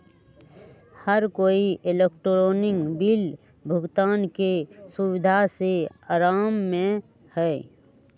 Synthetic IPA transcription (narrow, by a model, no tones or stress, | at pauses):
həɾkoːiʔelekʈɾoːnɪ̃ŋɡbiːl | bʱʊɡt̪aːnkesʊwɪd̪ʱaseaːɾaːmːẽ | hɛː